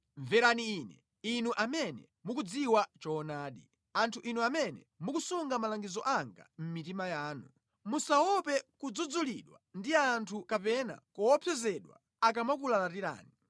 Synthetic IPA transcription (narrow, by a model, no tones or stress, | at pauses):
ɱvɛɾaniːnɛ̰ | inuʔamɛnɛ̰ | mukud͡ziwat͡ʃɔːnaːɗi | antʰuʔinuamɛnɛ | mukusuŋɡamalaŋɡizɔʔaŋɡa̰m̩mitimajaːnu | musawɔpɛkud͡zud͡zuliɗwandiaːntʰukapɛna̰kɔwɔpʰjɛzɛɗwa̰ | ak̬amakulalatiɾa̰ːni